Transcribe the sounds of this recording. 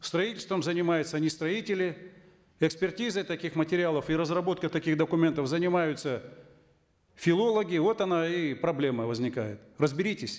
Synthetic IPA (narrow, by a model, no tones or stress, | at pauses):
st̪ɾɐitʲɪlʲst̪vəmzənʲɪmajʊt̪sənʲɪst̪ɾɐitʲɪlʲɪ | ɛkspʲɪrtʲizəjt̪ɐkʲixmətʲɪɾʲɪalˠəfiɾəzrɐbo̞t̪̚kət̪ɐkʲixd̪əkʊmʲe̞nt̪əfzənʲɪmajʊt̪sə | fʲɪlˠo̞lˠəɡʲɪvo̞t̪ɐnaipɾɐblʲe̞məvəzʲnʲɪkajɪt̪rəzbʲɪɾʲitʲɪsʲ